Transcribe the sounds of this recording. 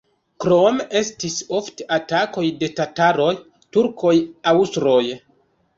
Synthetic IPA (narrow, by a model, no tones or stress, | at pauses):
kɾome̞stiso̞fteʔatako̞jde̞tataɾo̞j | tuɾkʰo̞jawstɾo̞j